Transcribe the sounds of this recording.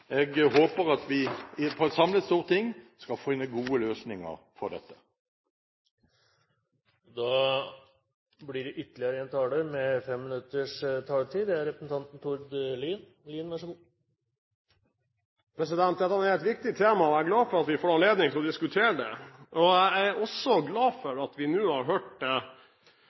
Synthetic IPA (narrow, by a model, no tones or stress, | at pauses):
ɛɡɦoːpəɾɑt̪ʋɪpʰɔɛt̪sɑmlət̪st̪uːɾt̪ɪŋːskɑlfɪnːəɡuːəløːsnɪŋə̰ɾ | fɔʁɖ̪ɛ̰t̪ːə̥ | d̪ɑː | blɪɖɛʔʏt̪ːlɪəɾəɛnt̪ʰɑːɖəɾmɛfɛmːɪnʉt̪ːəʂt̪ʰɑːlʈʰiːd̪ɛæɾɛpɾəsn̩t̪ʰɑnt̪n̩t̪ʰʊɾd̪liːn | liːnʋæʂɔm | pʰɾɛsɪd̪ɛnt̪̚d̪ɛt̪ːɑæɛæhɛlt̪ʋɪk̚t̪ɪt̪ʰeːmɑɔæɾɡlɑːfɔɾɑt̪ʋɪfoːɾɑnleːd̪nɪŋt̪ʰɪlɔd̪ɪskʉt̪ʰeːɾəɖɛʔɔæɪæɔsɔɡlɑːfɔɾɑt̪ʋɪnuːhɑɾɦøːʈ̚d̪ɛ